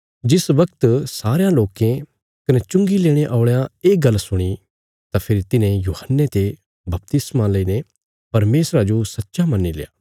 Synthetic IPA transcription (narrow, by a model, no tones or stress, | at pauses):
d͡ʒɪsʋɐkt̪saːɾejãloːkẽ | kɐnet͡ʃʊ̃ŋɡileːɽ̃ẽʔaːɭejãeːɡɐlːsʊɽ̃i | t̪apʰɪɾit̪ɪnẽjuːhənːet̪e | bɐp̚t̪ɪsmãlɐiːnẽ | pɐɾmeːsɾad͡ʒosɐtːʃamɐnːileja̰ː